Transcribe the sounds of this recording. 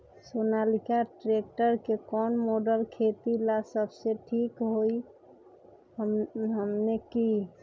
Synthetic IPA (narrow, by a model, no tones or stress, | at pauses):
sonalikaʈɾek̚ʈəɾkekɔnmoɖəlkʰet̪ilasəbseʈʰikɦoi | əɦəmneki